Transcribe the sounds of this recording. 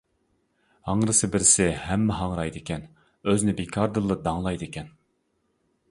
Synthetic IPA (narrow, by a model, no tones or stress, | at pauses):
hɑŋɾɨsɨbɪɾɪsɪhɛmːɛɦɑŋɾɑjd̪ɨkʲʰɛn | øznɪbekʰɑɾd̪ɨlˠːɨd̪ɑŋlˠɑjd̪ɨkʲʰɛn